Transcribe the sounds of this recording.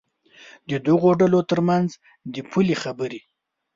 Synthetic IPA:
d̪əd̪aɣoɖalot̪əɾmanz | d̪əpʰulixabəɾi

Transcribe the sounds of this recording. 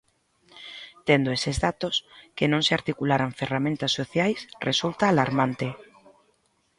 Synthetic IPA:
t̪end̪oesezðat̪oskenõŋseaɾt̪ikulaɾaɱferamẽnt̪asːoθjajsresult̪aːlaɾmant̪ɪ

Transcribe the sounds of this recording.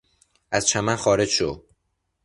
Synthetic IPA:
æzt͡ʃʰæmænxɒːɾe̞d͡ʒʃo

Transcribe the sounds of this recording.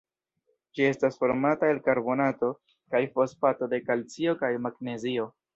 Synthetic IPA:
d͡ʒie̞stasfo̞ɾmataelkaɾbo̞nato̞ | kajfo̞spato̞de̞kalt͡sio̞kajmaɡne̞zio̞

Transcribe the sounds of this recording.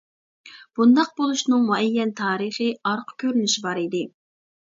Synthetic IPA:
b̥und̪ɑq̚bolˠuʃnɨŋmuɛjːɛnt̪ʰɑːɾɨχɨɑɾqʰə̥kʲʰøɾynyʃibɑɾid̪ɪ

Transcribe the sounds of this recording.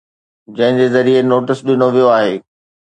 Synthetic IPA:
d͡ʑɐ̃ɦɪ̃ɲd͡ʑeːzɐɾienoːʈɪsɗɪnoʋijoaːɦeː

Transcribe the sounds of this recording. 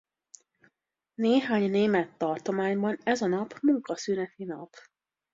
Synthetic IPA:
neːɦaːɲneːmɛt̪ːɒrt̪o̞maːɲbɒnɛzɒnɒpmuŋkɒsyːnɛt̪inɒp

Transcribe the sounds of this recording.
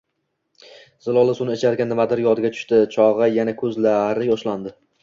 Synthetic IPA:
z̥ɪlˠɒlˠasʊnɪɪt͡ʃʰaɾɡʲanːɪmad̪ɪɾjɒd̪ɪɡʲat̪ʰʊ̥ʃt̪ɪt͡ʃʰɒʁɨjanakʰɵzlaɾɪjɒʃland̪ɪ

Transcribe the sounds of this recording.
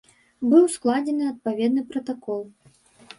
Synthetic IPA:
bɨwsklˠad͡zʲɛnɨɐt̪̚pavʲɛd̪̚nɨpɾɐt̪akɔlˠ

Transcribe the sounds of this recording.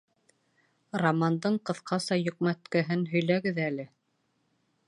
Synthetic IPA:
romɑnd̪ɤɴqɤ̆ðqʰɑsɑjŏq̚mæt̪kɘɦɘnɦɵ̆jlæɡɘðælɘ

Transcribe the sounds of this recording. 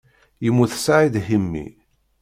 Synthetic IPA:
jəmːuθsaʕid̪himːḭ

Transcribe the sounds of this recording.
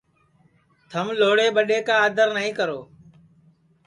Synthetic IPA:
t̪ʰəmloːɽeːɓəɗeːkaːəd̪ʱəɾnəɦĩːkəɾoː

